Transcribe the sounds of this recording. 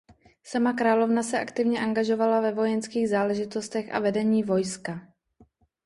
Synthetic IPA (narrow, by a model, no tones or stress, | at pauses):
samakɾaːlo̞vnasɛʔakt̪ɪvɲɛʔaŋɡaʒo̞valavɛvo̞jɛnskiːɣzaːlɛʒɪt̪o̞st̪ɛxʔa̰vɛdɛɲiːvo̞jska